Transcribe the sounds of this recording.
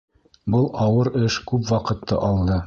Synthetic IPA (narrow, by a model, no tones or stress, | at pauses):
bɤlˠɑwɤɾɘʃkʉpwɑqɤ̆t̪ːɤ̰ʔɑlˠd̪ɤ